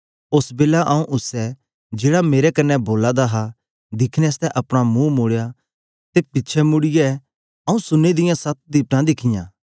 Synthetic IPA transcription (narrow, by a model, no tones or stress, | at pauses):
ʊsbeːlaʔɐːũʔʊsɛ | d͡ʒeːɽameːɾɛkɐnːɛboːlad̪aɦa | d̪ɪkʰnɛst̪ɛʔɐpɽ̃amũmʊɽja | t̪epɪtːt͡ʃʰɛmʊɽɪjɛ | ɐũsʊnːed̪ɪjãsɐt̪̚d̪iːpʈãd̪ɪkʰɪjã̰ː